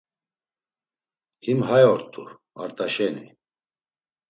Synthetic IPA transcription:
himhajɔɾt̪ʼṵ | a̰ɾt̪ʼaʃɛnḭ

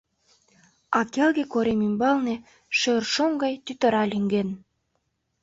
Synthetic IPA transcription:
ɑkelɡekoɾemimbɑlne | ʃørʃomɡɑjt̪yt̪ə̆ɾɑlʲyŋɡen

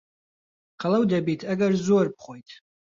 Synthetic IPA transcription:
qʰalawdabitʰaɡarzuarp̚ʰχʷojtʰʼ

